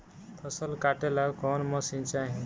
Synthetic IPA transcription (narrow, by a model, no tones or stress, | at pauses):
p̪ʰʌsʌlkaʈelakɔnmʌsint͡ʃaɦĩ